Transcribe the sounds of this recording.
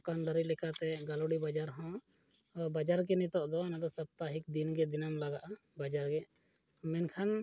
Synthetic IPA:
kand̪əɾilɛkat̪ɛɡaloɽibad͡ʒaɾɦɔ̃ | bad͡ʒaɾk̬ɛnɛt̪ɔʔd̪ɔnad̪ɔsap̚t̪aɦik̚d̪inɡɛd̪inamlaɡaʔabad͡ʒaɾɡɛ | mɛnkʰan

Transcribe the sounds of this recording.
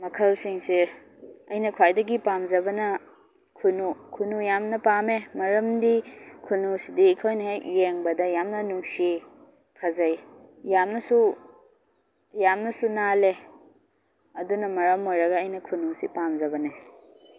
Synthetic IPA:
mɐkʰɐlsiŋsi | ɐjnɐkʰwajdɐɡipamzɐbɐnɐ | kʰunukʰunujamnɐpamemɐɾɐmdikʰunusidiːkʰojnɐɦejjeŋbɐdɐjamnɐnuksi | kʰɐzɐjjamnɐsu | jamnɐsunale | ɐdunɐmɐɾɐmojɾɐɡɐːjnɐkʰunusḭpamzɐbɐne

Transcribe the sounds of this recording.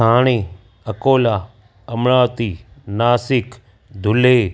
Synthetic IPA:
aːɳ̃eː | əkoːlaː | əmɽaːt̪iːnaːsɪk | d̪ʱʊleː

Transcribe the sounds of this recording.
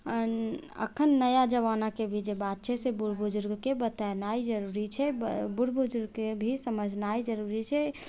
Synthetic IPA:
ə̰kʰənːəjad͡ʒəʋanakebʱid͡ʒebat̪̚t͡ʃʰɛsebuɾbud͡ʒʊɾɡkebət̪anaid͡ʒəɾuɾit͡ʃʰɛbbuɾbud͡ʒʊɾɡkebʱisəməd͡ʒʱnaid͡ʒəɾuɾit͡ʃʰɛ

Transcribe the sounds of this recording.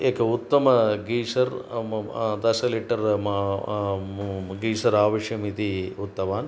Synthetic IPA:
eːkɐut̪ːɐmɐɡiːsɐɾ | d̪ɐsɐleːʈɐɾ | ɡiːsɐɾaːʋɐʂjɐmit̪iut̪ːɐʋaːn

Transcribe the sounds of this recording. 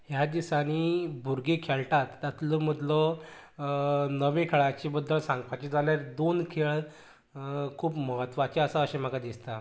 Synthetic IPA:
ɦjad̪isaɽ̃ibʱuɾɡekʰelʈat̪ːat̪ləm̤əd̪lɔ | nəʋẽkʰeɭat͡ɕebəd̪ːəɭsãŋɡpat͡ɕed͡zaljaɾd̪onkʰeɭ | kʰuːpməɦət̪ʋat͡ɕeəsaəɕem̤əkad̪ist̪a

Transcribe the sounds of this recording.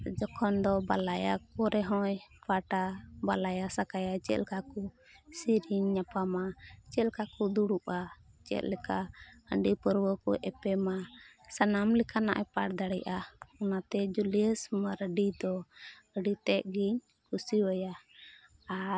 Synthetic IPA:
d͡ʒɔkʰɔnd̪ɔbalaja̰kɔɾɛɦɔjpaʈabalajasakajat͡ʃɛ̰lkaku | siɾiɲːapamat͡ʃɛlkakud̪uɽuʔa | t͡ʃɛ̰t̪̚lɛkaə̰ɳɖipəɾwəkuʔɛpɛmasanamlɛkʰana̰ʔapaʈd̪aɽɛʔaɔnat̪ɛd͡ʒuliəsmaɾɖid̪ɔ | əɖit̪ɛʔ̚ɡiɲ | kʰusiwɛjaː

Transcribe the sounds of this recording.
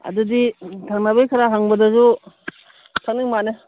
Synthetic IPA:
ɐ̰duditʰaŋnabejkʰaɾaɦaŋbɐdɐzu | tʰanɯŋmanɯ

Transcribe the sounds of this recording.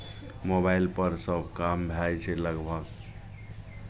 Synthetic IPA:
mobailpəɾsəbʱkambʱajt͡ʃʰɛləɡbʱəɡ

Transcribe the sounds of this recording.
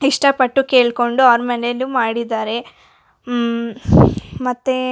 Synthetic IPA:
iʂʈɐpɐʈːuke̞ːɭko̞ɳɖuaʋɾmɐnelumaːɽid̪aːɾe̞ | mɐt̪ːe

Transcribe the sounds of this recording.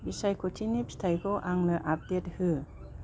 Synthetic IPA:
bisajkʰɔtʰinipʰi̥tʰajkʰɔʔaŋnɯʔap̚det̚hɯ

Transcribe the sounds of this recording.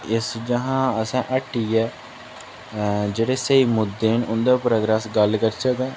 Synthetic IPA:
ɪsd͡ʒəɦãːəsãːʔəʈːiːɛː | d͡ʒeːɽeːsəiːmʊd̪ːeːnʊnd̪aːpɾəːɡɾɛːsɡəlkəɾt͡ʃʰək̪ɛ̃ː

